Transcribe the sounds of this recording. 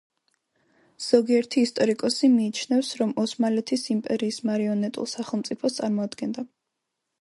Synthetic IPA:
z̥ɔɡiɛɾt̪ʰiːst̪ʼɔɾikʼɔsimiːt͡ʃʰnɛfsɾɔmɔsmalɛt̪ʰisimpʼɛɾiːsmaɾiɔnɛt̪ʼṵlˠsaχɛlˠmt̪sʼipʰɔst̪sʼaɾmɔad̪ɡɛnd̪a

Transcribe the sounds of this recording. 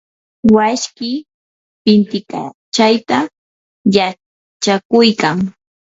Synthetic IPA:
waʃkɪ | pɪnt̪ɪka̰ | t͡ʃajt̪a | ja | t͡ʃakʊjkaŋ

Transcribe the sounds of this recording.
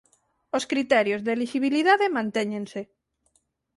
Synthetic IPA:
oskɾit̪ɛɾjozðeliʃiβ̞iliðaðemãnt̪eɲẽnse

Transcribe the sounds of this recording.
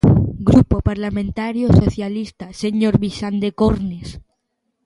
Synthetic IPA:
ɡɾupopaɾlamẽnt̪aɾjosoθjalist̪aseɲoɾβisand̪ekoɾnes

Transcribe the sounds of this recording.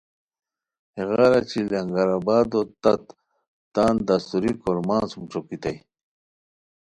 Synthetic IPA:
heɣaːɾat͡ɕʰilɐŋɡaɾabaːd̪ot̪ɐt̪ː | aːnd̪ast̪uɾikoɾmãːnsumʈ͡ʂokit̪aj

